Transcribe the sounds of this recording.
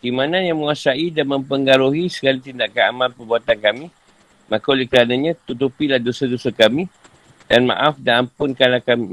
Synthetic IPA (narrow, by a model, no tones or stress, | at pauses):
kimãnãnjaŋməŋasaidanmə̃mpəŋɡaɾuɦisə̥kalit̪indaʔkanamãlpərbuat̪ankamĩ | mãkalekəɾanaɲãt̪ut̪upilahdosədosəkamĩ | danmã̰ʔafdaampʊnkanlahkami